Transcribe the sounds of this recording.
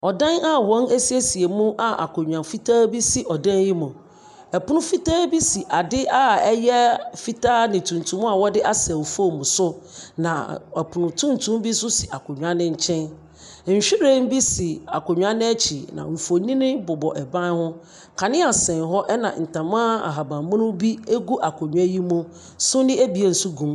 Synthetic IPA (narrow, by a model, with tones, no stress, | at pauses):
ɔ˨dã˦na˦wɔ̃˨˦nɛ˦si˦e˦si˨e˨mũ˦ʔa˨ʔa̰˨kʰo˨ɲᶣ˨ã˨fi˦tʰaː˦bi˦si˦ʔɔ˨dã˦n˦ji˦mʊ̃˨ | ɛ˨pʊ˦nʊ̃˦fi˦taː˦bi˦si˨ʔa˨dɪ˦ʔa˦ɛ˦jɛ˦fi˦taː˦nɪ̃˨tʰũ˨n˨tʰũ˨˦mũ˦a˨wɔ˦dɪ˦ʔa˦sɛ˨o˨fo˦˨mũ˨sʊ˦nã̰˨ɛ˨pʰʊ˨nʊ̃˨tʰũ˦n˨tʰũ˦m˦bi˦sʊ˦si˨ʔa˨kʰo˨ɲᶣ˨ã˦nɪ̃˦ɲ̩˦t͡ɕʰɛ̃˦n̩˨ | ɕᶣɪ˦ɾe˦m̩˦bi˦si˨a˨kʰo˨ɲᶣ˨a˦nɪ̃˦ɛ˦t͡ɕʰi˨nã̰˨m̩˨fo˨nĩ˦nɪ̃˦bʊ˨bɔ̰˨ʔɛ˨bã˦n˦hʊ̃˦ | kʰa˨nɪ̃˦a˨sɛ̃˨nɦɔ˦ʔɛ˦nã˨n̩˨tã˨mãː˦a̰˨ɦa˨bã˨˦mʊ̃˦nʊ̃˦bi˦e˦ɡu˦ʔa˨kʰo˨ɲᶣu˨a˦ji˦mʊ̃˦ | sʊ˦nɪ̃˦e˦bi˨e˨n̩˨su˦ɡũ˨m